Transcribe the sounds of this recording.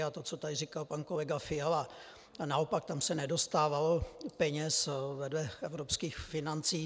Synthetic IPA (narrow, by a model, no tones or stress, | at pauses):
at̪ot͡sot̪adrikalpankolɛɡafɪala | naopak̚t̪amsɛnɛdo̞st̪aːvalopɛɲɛsvɛdlɛʔɛvɾopskiːxfɪnant͡siː